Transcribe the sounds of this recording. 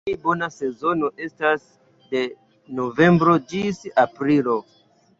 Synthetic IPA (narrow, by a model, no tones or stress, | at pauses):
ibo̞nase̞zo̞no̞ʔe̞stas | de̞ | no̞ve̞mbɾo̞d͡ʒisapɾilo̞